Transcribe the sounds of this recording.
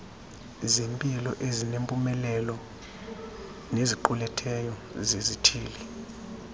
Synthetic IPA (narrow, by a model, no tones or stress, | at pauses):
zempʼilɔʔezinempʼumɛlɛlɔ | neziǃulɛtʰɛjɔzezitʰiːli